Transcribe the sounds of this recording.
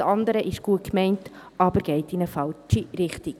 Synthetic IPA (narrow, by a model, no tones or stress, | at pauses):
ɑndəɾəʔɪʃɡ̥uəkmɛɪnt | ʔɑbəɾɡ̥ɛɪtinəfɑlt͡ʃiɾɪχtik